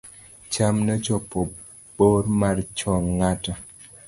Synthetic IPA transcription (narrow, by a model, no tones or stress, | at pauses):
t͡ʃamnɔt͡ʃɔpɔ | boɾmart͡ʃɔŋŋata